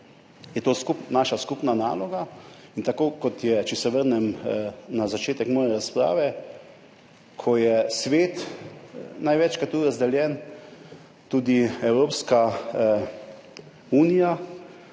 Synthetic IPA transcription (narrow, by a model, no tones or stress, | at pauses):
jɛt̪oːskupnaːʃaskupnana̰ːlɔɡaint̪akoːkɔt̪jɛt͡ʃɛsɛʋəɾnɛmnazat͡ʃeːt̪ɛkmɔːjɛɾaspɾa̰ːʋɛ | kʰɔjɛsʋeːt̪ | najʋɛt͡ʃkat̪uɾazd̪ɛljɛn | t̪uːd̪iɛwɾoːpska | uːnija